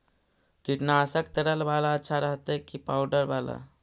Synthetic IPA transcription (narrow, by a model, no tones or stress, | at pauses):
kiʈnaːsəkt̪əɾəlbalaətːʃʰaɾəɦt̪ɛkipawɖəɾbala̰